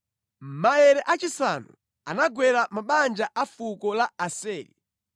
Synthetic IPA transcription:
m̩maɛɾɛʔat͡ʃisanṵ | anaɡwɛɾamaɓand͡ʒaʔafukɔlaasɛːlḭ

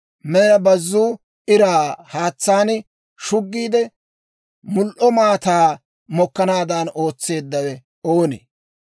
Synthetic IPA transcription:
mɛnɐbɐzːuː | ʔɪɾaːhaːt͡sːaːn | ʃʊɡːiːd̪ɛ | mʊlʔɔmaːt̪aː | mɔkːɐnaːd̪ɐno̞ːt͡sːe̞ːd̪ːɐwɛ | oːnḛ

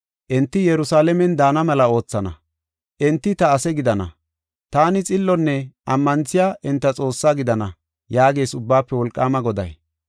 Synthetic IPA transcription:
ʔɛnt̪ːɪjɛɾʊsaːlɛmɛnd̪aːnɐmɛlɐo̞ːt͡sːɐnɐ̰ | ʔɛnt̪ːɪt̪ɐːsɛɡɪd̪ɐnɐ̰ | t̪aːnɪt͡sʼɪlːɔnːɛɐmːɐnt͡sːɪjaːʔɪnt̪ːɐt͡sʼo̞ːsːaːɡɪd̪ɐnɐ | jaːɡe̞ːsʊbːaːpːɛwɔlkʼːaːmɐɡɔd̪ɐ̰j

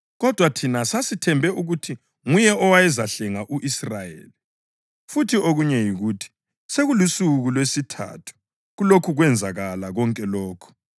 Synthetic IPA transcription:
ɣɔd̥ʱwatʰinasasitʰɛmbʱɛʔuɣutʰi | ŋujɛɔwajɛzaɬɛŋaʔuʔisrajḛːli | futʰioɣuɲɛjiɣuːtʰi̥ | seɣulusuɣulwesitʰa̰ːtʰu̥ | ɣulokʰuɣwɛnd͡zʱaɣalaɣɔŋkʼɛlɔːkʰɔ̥

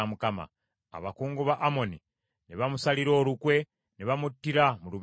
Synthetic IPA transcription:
amukama̰ː | βakuːŋɡuβaʔːmo̞ni | niβamusaliɾo̞ːɾukwe̞ | niβamutːiɾamulu

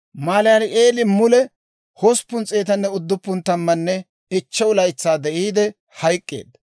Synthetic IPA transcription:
maːlɛjɐɾɪʔeːlɪmʊlɛ | hɔspːʊnt͡sʼeːt̪ɐnːɛʊd̪ːʊpːʊnt̪ɐmːɐnːɛ | ɪt͡ʃːɛʊlɐjt͡sːaːd̪ɛʔiːd̪ɛ | hɐjkʼːḛːd̪

